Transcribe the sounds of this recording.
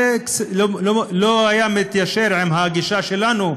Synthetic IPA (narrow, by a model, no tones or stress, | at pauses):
kloolohajamit̪jaʃeɾʕimɦaɡiʃaʃelanu